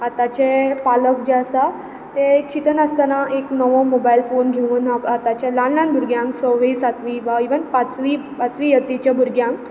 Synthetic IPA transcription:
at̪at͡ɕepaləkd͡ʑeəsa | t̪et͡ɕit̪ənəst̪anaʔeknəʋomobailfonɡʱeʋuːnaat̪at͡ɕalanlanbʱuɾɡjãŋsəɾʋesat̪ʋiʋaiʋənpat͡sʋipat͡sʋijət̪ːit͡ɕabʱuɾɡjãŋ

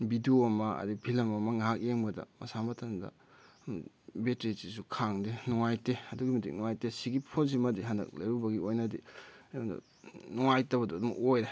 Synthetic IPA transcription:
bidiomɐɐ̰dipʰilɐmɐmɐŋaɦak̚eŋbɐdɐ̰mɐsamɐtʰɐndɐ̰ | betɾisis̬ukʰaŋdenɔŋajteɐduɡimitʰḭk̚nɔŋajtesiɡipʰons̬imɐdiɦandɐ̰k̚lajɾubɐɡiojnɐdijoŋdɐ̰ | nɔŋajtɐbɐdudum̰ʔojɾe

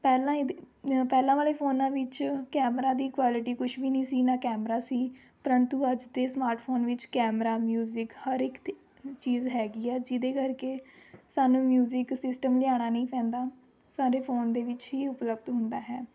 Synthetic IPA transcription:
pɛːlãː | pɛːlãːʋaːleːpʰoːnãːʋɪt͡ʃkɛːmɾaːd̪iːkʋaːlɪʈiːkʊʃʋiːnĩːsiːnãːkɛːmɾaːsiː | pəɾənt̪uːəd͡ʒd̪eːsmaːɾʈpʰoːnʋɪt͡ʃkɛːmɾaːmjuːzɪkhəɾɪk̪ː | t͡ʃiːzɦɛːɡiːɛːd͡ʒɪd̪eːkəɾkeːsaːnũːmjuːzɪksɪsʈəmlɪjaːɽ̃aːnəĩːpʰɛ̃ːnd̪aː | saːɾeːpʰoːnd̪eːʋɪt͡ʃɦiːʊpləbd̪ɦʊ̃nd̪aːɦɛː

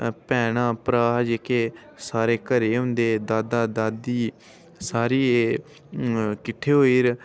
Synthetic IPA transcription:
pɛːɽãːpɾaːd͡ʒeːkeː | saːɾeːkəɾeːɦʊ̃nd̪eːd̪aːd̪aːd̪aːd̪iː | saːɾiːe | kɪʈʰːeːɦoːiːɾ

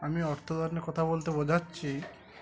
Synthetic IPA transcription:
amiɔɾt̪ʰɔd̪aɾnekɔt̪ʰabolt̪ebod͡ʑatːɕʰi

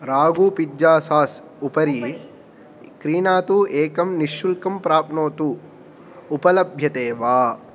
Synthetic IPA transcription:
ɾaːɡuːpid͡ʒːaːsaːs | upɐɾi | kɾiːnaːt̪uːeːkɐmniʃːulkɐmpɾaːp̚noːt̪uː | pɐlɐbʱjɐt̪eːʋaː

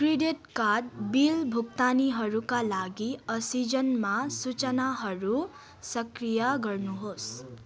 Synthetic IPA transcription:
kriɖeʈkad̚bilbʱuɡ̚t̪aniɦʌɾukalaɡiʌsid͡zʌnmasut͡sʌnaɦʌɾu | sʌkrijaɡʌrnuɦos

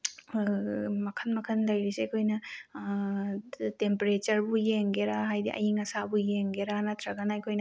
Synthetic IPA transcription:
mɐkʰɐnmɐkʰɐnlɐjɾiseɐkʰojnɐ | tempeɾet͡ʃɐɾbujeŋɡeɾaɦajdḭʔɐ̰jiŋɐsabujeŋɡeɾanɐt̪ʰɾɐɡɐnɐɐjkʰojnɐ

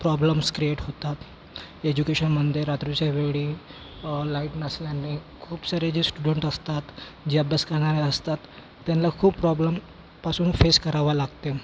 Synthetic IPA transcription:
pɾɔbləmskɾieʈɦot̪at̪ | ed͡ʑukeɕənməd̪ʱjeɾat̪ɾut͡ɕjaʋeɡɭi | laiʈnəsljanekʰuːpsəɾed͡ʑesʈuɖəɳʈəst̪at̪d͡ʑabəskəɾɳ̃aɾeəst̪at̪ː | janlakʰuːppɾɔbləm | pasuːnfeskəɾaʋalaɡt̪e

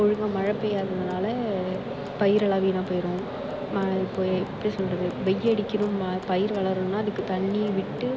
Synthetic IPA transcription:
ɔɻɯŋɡɐ̃mɐɻɐpːɐjaɾðɯnaːlɐ | pɐjɪɾɐɭaːʋiːnãːpoːjɪɾɐ̃ | mɐɪpːoːɪɪpːɐɽisɔlrɐðɯʋɛjːɐɽɪkːɪnɯmpɐjɪɾʋɐɭɐɾɯmnaːɐðɯkːɯt̪ɐɳːɪjɐʋɪʈːɯ

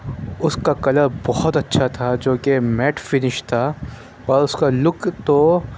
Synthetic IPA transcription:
ʊskakɐləɾbɔɦɔt̪ɐtːʃʰat̪ʰad͡ʒoːkemɛːʈfɪnɪʃt̪ʰa | ɔːɾʊskalʊkt̪o

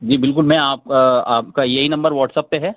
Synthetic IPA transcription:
d͡ʒiːbɪlkʊlmɛ̃aːp̚aːpkajɐɦinɐ̃mbəɾʋɔːʈsɐpːeɦɛː

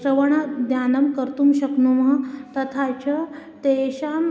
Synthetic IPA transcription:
ɾɐʋɐɳad̪jaːnɐmkəɾt̪umɕɐknumt̪ɐt̪ʰat͡ɕɐt̪eɕaːm

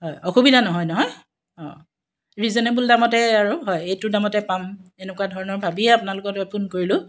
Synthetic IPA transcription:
ɦɔjɔxubidʱanɔɦɔjnɔɦɔj | ɔ̰̃ | ɹizɔnebuldamɔtɛaɹuɦɔjejtʊdamɔtɛpamenɛkuwadʱɔɹɔnɔɹbʱabiɛapʊnalʊkɔtɔjpʰunkoɹilʊ

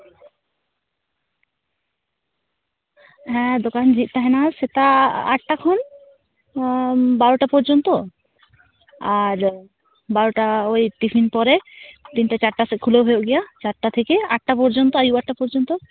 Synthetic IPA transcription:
ɦɛ̃d̪okand͡ʑit̪̚t̪aɦɛnaset̪aa̰ʈːakʰɔn | baɾoʈapɔɾd͡ʑont̪o | aɾ | baɾoʈaojʈifʰinpɔɾet̪inʈat͡ɕaɾʈasekʰuleɦojoʔɡɛjat͡ɕaɾʈat̪ʰekeaʈ̚ːapɔɾd͡ʑont̪oajuaʈʈːapɔɾd͡ʑont̪o

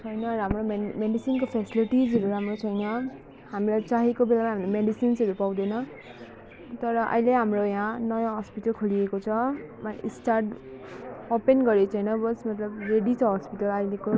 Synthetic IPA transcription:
t͡sʰʌjnʌɾamromemeɖisinkopʰesiliʈid͡zʌɾuɾamrot͡sʰʌjnʌ | hamilat͡saɦekobelamaɦamilameɖisinsʌɾupaw̃d̪enʌ | t̪ʌɾʌʔʌ̰jleɦamrojãnʌjãɦʌspiʈʌlkʰuliekot͡sʰʌmaisʈarʈ | openɡʌɾet͡sʰʌjnʌbʌsmʌt̪lʌbreɽit͡sʰʌɦʌspiʈʌlʌjleko

